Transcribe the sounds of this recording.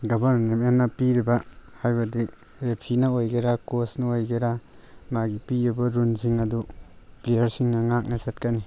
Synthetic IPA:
ɡɔbɐɾmnemenːapiɾibahajbɐdi | ɾepʰinɐojɡeɾakosnɐojɡeɾa | maɡipiɾibaɾunziŋɐduplejɐɾsiŋnɐŋak̚nɐsat̚kani

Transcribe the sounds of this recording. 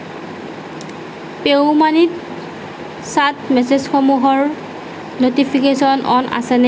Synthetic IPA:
peʊmanit̚ | satmɛsezxɔmuɦɔɹ | notipʰikesɔnʔɔnʔa̰sɛnɛ

